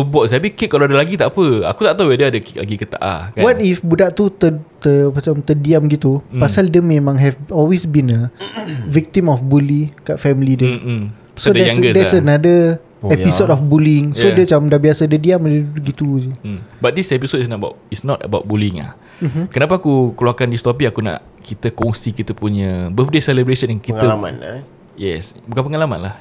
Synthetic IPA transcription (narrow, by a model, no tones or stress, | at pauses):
əbɔʔst̪ap̬ikiʔkːalawadalaɡit̪aʔapəa̰kut̪aʔt̪awɛdəadakila̰ɡikət̪a̰ʔa̰kawat̪ifbudaʔt̪ut̪ət̪əmat͡ʃamt̪ədiamɡit̪upasaldəmẽmãŋɦɛfɔlwesbinəvik̚t̪imɔfbulikaʔfɛmilidə | sodɛaɡədɛsənadə | ɛpisodɔfbuliŋodət͡ʃamdabiasadədiamədududuɡit̪uubat̪̚disɛpisotisnɔbaisnɔt̪ə̰baʊt̚buliŋa̰h | m̩m̩kənapaːkukluakandist̪ɔp̬iakuna̰ʔ | kit̪əkɔŋsikit̪əpuɲəbəθdesɛləbɾesənankit̪əama̰n | jɛsbukanp̬əŋalama̰nlah